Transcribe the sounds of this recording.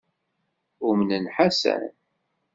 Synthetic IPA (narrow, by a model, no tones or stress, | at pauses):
ʊmnənħasæ̰n